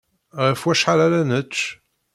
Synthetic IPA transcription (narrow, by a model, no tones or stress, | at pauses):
ʁəfwæʃħalaɾænət͡ʃː